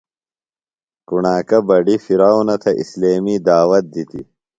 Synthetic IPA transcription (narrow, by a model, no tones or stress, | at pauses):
kuɳaːkɐbɐɖifiɾaːwnɐt̪ʰɐʔḭsleːmiːd̪aːwɐt̪̚d̪it̪ḭ